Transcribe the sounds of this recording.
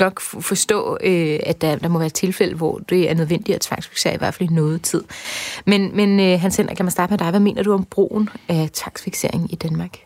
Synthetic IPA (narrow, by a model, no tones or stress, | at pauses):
nɒ̽ɡ̥fɒ̽sd̥ɔ̰̽ːøæ̥d̥ɑd̥ɑ̈mɒʋæːɐt͡sʰe̝lfel̰əʋɒ̰d̥e̝æɐnøð̞ˠʋen̰d̥iɒt͡sʰʋɑ̈ɡ̥sfi̥ɡ̥se̝ɐiʋæɐfælinɔ̽ːð̞̩ˠt͡sʰið̞̰ˠmenmenøɦænsen̰ɐɡ̥æmæsd̥ɑ̈ːɡ̥əmed̥ɑ̈ɪʋæme̝̰ːnɐd̥uɒ̽mb̥ʁo̰ːn̩æt͡sʰʋɑ̈ɡ̥sfiɡ̥se̝ɐ̰eŋ̩id̥ænmɑ̈ːɡ̥